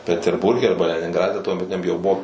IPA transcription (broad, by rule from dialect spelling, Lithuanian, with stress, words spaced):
pʲɛtʲɛrˈbʊrʲɡʲɛ ˈɐrbɐ lʲɛnʲɪŋˈɡrɑːdʲɛ tuɔmʲɛˈtʲɪnʲɛm jɛʊ ˈbʊʋoː